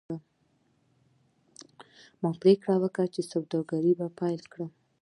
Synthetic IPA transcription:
a | mɑɡpɾekɽawəkat͡ʃesabd̪ɑɾɡaɾibapɑjlkɽa

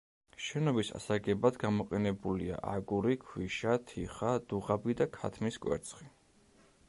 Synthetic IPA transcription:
ʃɛnɔbisa̰saɡɛbad̪ɡamɔqʼɛnɛbulia̰ʔaɡuɾikʰwiʃat̪ʰiχad̪̥uʁabid̪akʰa̰t̪ʰmiskʼwɛ̰ɾt̪sʰχi

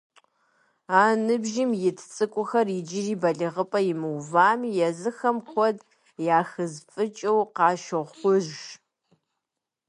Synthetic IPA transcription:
aːnɨbʒɪmjɪtʰt͡sʼɨkʷʼʊxɐrid͡ʒɪriːbɐɮɨʁəpʼɐjɪmɨwvaːmijɛzɨxɐmkʷʰɔd | jaːxɨzfʼɨt͡ʃʼɐwqɑːʃɨʁχʷʊʒ

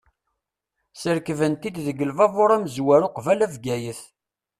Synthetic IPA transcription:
səɾkvənt̪id̪ðəɡəlvɑvoɾˤæmzwæɾʊqvælævɡæjəθ

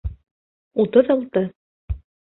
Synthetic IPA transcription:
ut̪ɤðɑlˠt̪ɤ

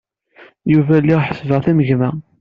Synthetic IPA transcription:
juvælːiħə̥sːvəʁθæməʝmæ

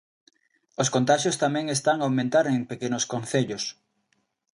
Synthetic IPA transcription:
oskont̪aʃjost̪amɛ̃ŋest̪aŋawmẽnt̪aɾeŋpekenʊskonθeʎʊs

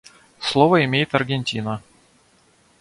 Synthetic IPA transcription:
slˠovəimʲejɪt̪ɐrɡʲenʲtʲinə

